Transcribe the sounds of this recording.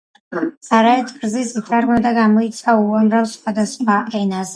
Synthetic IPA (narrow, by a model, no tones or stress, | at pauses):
saɾaɛt̪ʰɡɾzisitʼaɾmad̪aɡamɔit̪sʰauamɾavsχwad̪asχaʔɛnaz